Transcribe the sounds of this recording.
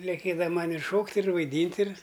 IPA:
lʲɛˈkʲeːdɐ ˈmɐnʲ ɪr ˈʃoːktʲ ɪr ʋɐɪˈdʲiːnʲtʲ ɪr

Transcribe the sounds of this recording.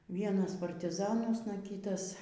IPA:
ˈʋʲiɛnɐs pɐrʲtʲɪˈzɑːnuɔsnɐ ˈkʲiːtɐs

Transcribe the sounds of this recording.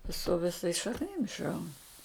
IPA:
sʊ ʋʲɪˈsɐɪs ʃɐkˈnʲɪm ɪʃˈrɐʊn

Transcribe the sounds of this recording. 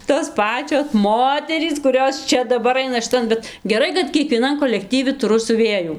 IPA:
toːs ˈpɑːt͡ʃʲoːs ˈmoːtʲɛrʲiːs kʊˈrʲoːs ˈt͡ʃʲɛ dɐˈbɐr ˈɐɪnɐ ʃʲɪˈtɐn ˈbʲɛt ɡʲɛˈrɐɪ kɐt kʲiɛkʋʲiɛˈnɐn koːlʲɛkˈtʲiːʋʲɪ tʊˈrʊ sʲʊˈʋʲeːjuː

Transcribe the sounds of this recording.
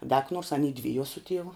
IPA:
dɐ kɐ nuɔrs ɐˈnʲiː ˈdʲʋʲɪjuɔ sʊ ˈtʲiɛʋʊ

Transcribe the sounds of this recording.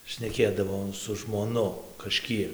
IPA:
ʃʲnʲɛˈkʲeːdɐʋoː sʊ ʒmoːˈnʊ kɐˈʃʲkʲiɛk

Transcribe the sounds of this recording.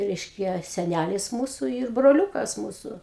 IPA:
ˈrʲɛɪʃʲkʲɛ sʲɛˈnʲælʲɪs ˈmuːsʊ iːr broːˈlʲʊkɐs ˈmuːsʊ

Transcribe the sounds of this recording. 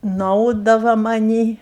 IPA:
nʊˈɐʊdɐʋɐ mɐˈnʲiː

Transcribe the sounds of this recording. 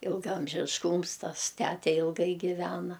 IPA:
ɪlˠɡɐɐmʲʒʲɪʃˈkuːms ˈtɐs ˈtʲætʲɛ ɪlˠˈɡɐɪ ɡʲɪˈʋʲæːnɐ

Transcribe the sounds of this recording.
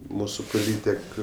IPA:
ˈmuːsʊ poːˈlʲiːtʲɛk

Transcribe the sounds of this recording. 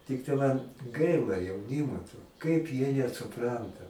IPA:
ˈtʲɪktɐɪ mɐn ˈɡɐɪlˠɐ jɛʊˈnʲɪmoː toː kɐɪp jiɛ nʲɛsʊˈprɐntɐ

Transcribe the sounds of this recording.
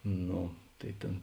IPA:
ˈnoː tɐɪ ˈtʲeːn

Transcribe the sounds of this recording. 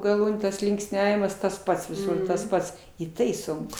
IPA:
ɡɐˈlˠuːnʲuː tɐs lʲɪŋksʲˈnʲæːʋʲɪmɐs tɐs ˈpɐts ʋʲɪˈsʊr tɐs ˈpɐts ɪ ˈtɐɪ ˈsʊŋkʊ

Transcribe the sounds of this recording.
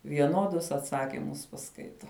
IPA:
ʋʲiɛˈnuɔdʊs ɐtˈsɑːkʲɪmʊs pɐˈskɐɪtoː

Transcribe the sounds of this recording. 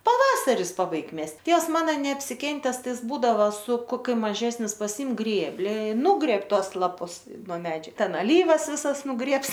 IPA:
pɐˈʋɑːsɐrʲɪs pɐˈbɐɪk ˈmʲɛsʲtʲ ˈtʲeːws ˈmɑːnɐ nʲɛɐpʲsʲɪˈkʲɛnʲtʲɛs ˈtɐɪ ˈjɪs ˈbuːdɐʋoː sʊ koːˈkʲʊ mɐˈʒʲæːsʲnʲɪs pɐˈsʲɪm ˈɡrʲeːbʲlʲɪ ɪ ˈnʊɡrʲɛp ˈtoːs lˠɐˈpʊs noː ˈmʲæːd͡ʒʲʊ ˈtʲɛn ɐˈlʲiːʋɐs ˈʋʲɪsɐs nʊˈɡrʲeːps

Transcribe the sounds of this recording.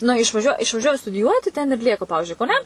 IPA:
nɐ ɪʃʋɐˈʒʲuɔ ɪʃʋɐˈʒʲuɔjɛ stʊdʲɪˈjuɔtʲɪ tʲɛn ɪr ˈlʲiɛkɐ ˈpɑːʋʲɪʒʲʊɪ kɐʊˈnʲɛ

